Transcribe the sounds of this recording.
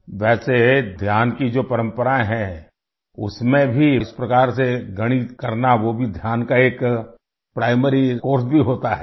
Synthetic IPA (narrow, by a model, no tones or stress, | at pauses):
ʋɛːsed̪ʱjaːnkid͡ʒoːpɐɾə̃mpəɾaẽɦɛ̃ | ʊ̰smẽbʱispɾɐkaːɾseɡɐɽ̃ikɐɾnaʋobʱid̪ʱjaːnkaeːk | pɾaːɪməɾikoːɾsbʱiɦoːt̪aɦɛ